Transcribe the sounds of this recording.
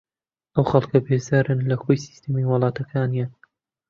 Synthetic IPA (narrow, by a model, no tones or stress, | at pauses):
ʔɐwxɐlˠkʰɐbezaːɾɨnlɐxojsi̥st̪emiwɨlˠɑːt̪ʰɐkʰaːnijan